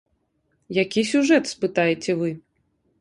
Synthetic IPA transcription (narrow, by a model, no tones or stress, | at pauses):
jakʲisʲuʐɛt̪spɨt̪ajɛt͡sʲɛvɨ